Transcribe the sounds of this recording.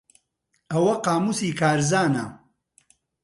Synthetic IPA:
ɐwɐqaːmusiːkaːɾzaːnɐ

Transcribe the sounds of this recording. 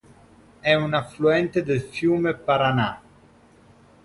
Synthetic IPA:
ɛunafluɛnt̪ed̪elfjuːmepaɾana

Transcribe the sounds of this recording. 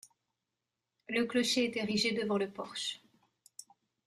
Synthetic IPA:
ləklɔʃeːt̪eʁiʒed̪əvɑ̃ləpɔʁʃ

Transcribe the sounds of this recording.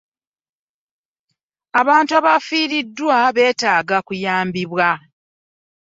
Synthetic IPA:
aβaːntuaβafiːɾidːwaβe̞ːtaːɡakujaːmbiβwa

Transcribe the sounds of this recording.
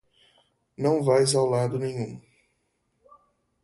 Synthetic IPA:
nɐ̃w̃vajzawlad̪ʊnẽɲũ

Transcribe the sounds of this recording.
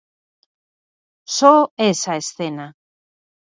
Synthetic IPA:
soesaesθena

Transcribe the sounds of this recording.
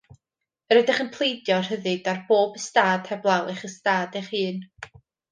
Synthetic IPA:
əɾədɪχənpʰl̥ˠejdjɔrhəðɨd̥arb̥oːbəstaːd̥hɛblˠalˠɪχəstaːdɛχɨːn

